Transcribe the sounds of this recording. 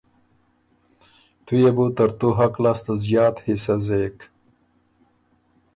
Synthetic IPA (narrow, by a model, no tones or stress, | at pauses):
t̪ujebut̪əɾt̪uɦaklast̪azjɑːt̪hisazeːk